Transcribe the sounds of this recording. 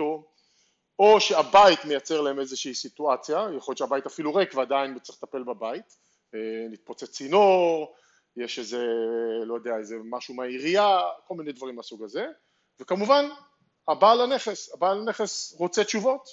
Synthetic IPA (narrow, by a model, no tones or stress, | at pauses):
o | oʃe̞abait̪me̞jat͡seʁlaeme̞zeʃiːsit̪uat͡sjajaχojotʃeabaitafiluʁekvead̪ainbet͡sʁiχt̪ape̞lbabait̪ | enit̪̚pot͡set͡sinoʁ | jeʃezelo̞jod̪eaezemaʃumeaiʁiako̞lminejd̪vaʁimasuɡaze̞ | vekamuvan | abalane̞χe̞sabalane̞χe̞sʁot͡set͡ʃuvo̞t̪